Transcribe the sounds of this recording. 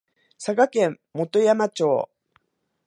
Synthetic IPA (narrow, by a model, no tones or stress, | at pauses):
saɡakẽ̞mːo̞t̪o̞jamat͡ɕoː